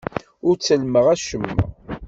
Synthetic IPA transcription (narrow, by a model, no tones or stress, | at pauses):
ʊɾt͡sːəlməʁæʃəmːə̰